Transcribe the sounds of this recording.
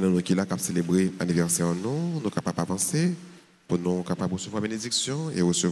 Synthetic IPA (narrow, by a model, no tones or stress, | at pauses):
nɔ̃nũkʲilakapselebʁeanivɛʁsɛʁnũnũkapapapɑ̃se | punũkapabʁəsøvwabened͡ziksjɔ̃eʁəsøv